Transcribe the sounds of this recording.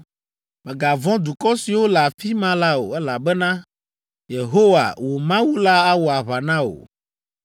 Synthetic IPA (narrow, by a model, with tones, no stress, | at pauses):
mɛ̃˨ɡa˨vɔ̃˦d̪u˨kɔ˦si˨wo˦la˨fi˦mã˦la˦o̰˨ɛ˦la˨bɛ˦nã˦ | je˨ɦo˦wa̰˨wo˨mã˦wu˦la˦a˦wo˨a˨βa˨nã˦o̰˨